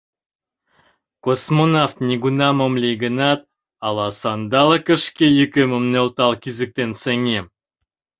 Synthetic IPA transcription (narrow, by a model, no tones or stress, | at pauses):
kosmonaft̪nʲeɡunɑmomlʲejɡə̆nɑt̪̚ | ɑlˠɑsɑnd̪ɑlˠəkə̆ʃkʲejykʲemə̆mneolt̪ɑlˠkʲyzɘ̆k̚t̪ensĕŋe